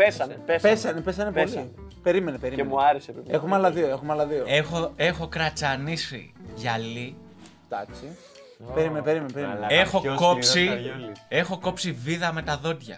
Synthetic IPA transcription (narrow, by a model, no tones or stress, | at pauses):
pesɐneepesɐnepesɐnepolipe̞ɾime̞nepeɾimemuɐɾeseeexumeɐlɐðioe̞xumeɐlɐðioexoe̞xo̞kɾɐt͡sɐnisḭʝɐli | t̪ɐksi | peɾimenepe̞ɾimenepeimenexo̞ko̞psie̞xo̞ko̞psiviðɐme̞t̪ɐðo̞d̪ʝɐ̰